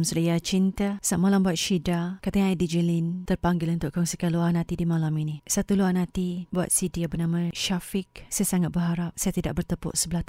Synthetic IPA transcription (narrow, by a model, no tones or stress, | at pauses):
msəɾəjat͡ʃint̪asaʔmalambuat̪̚ʃidakat̪əɲaidid͡ʒəlint̪ərpaŋɡɪlunt̪ʊʔkɔŋsikanluanãt̪idimalaminisat̪uluwanãt̪ibua̰t̪̚sidiabənãmãʃafɪk̚sajasaŋat̪̚bəɦaɾap̚sajat̪ida̰ʔ̚bərt̪əpʊ̰ʔsəbəlaht̪